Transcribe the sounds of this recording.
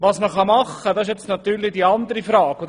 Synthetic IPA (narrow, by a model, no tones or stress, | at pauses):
ʋɑːsməχɑmɑχədɑsɪʃjɛt͡stnɑt̪yːɾlid̥iːɑnd̪əɾifɾɑːɡod